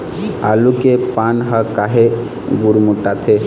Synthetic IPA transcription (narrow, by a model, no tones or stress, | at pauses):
a̰lukepanɦakaɦe | ɡuɾmuʈat̪ʰe